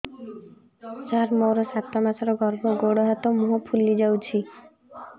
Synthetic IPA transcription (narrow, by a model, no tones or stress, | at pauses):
saɾmowɾɔsat̪ːɔmasɔɾɔɡɔɾbɔɡoɽɔɦɔt̪ɔmuɦɔpʰulːid͡ʒawt͡ʃʰi